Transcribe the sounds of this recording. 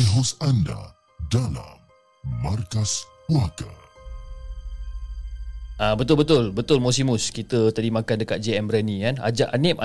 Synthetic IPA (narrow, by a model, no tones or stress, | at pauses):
ɛɦɔsanda̰ | dala̰mː | arkaspuaka̰ | ʔabət̪ʊlbət̪ʊlbət̪ʊlmɔsimʊskit̪ət̪aʔdimãkandəkat̪̚d͡ʒeɛmbɾɛnĩkana̰d͡ʒaʔanɛp̚a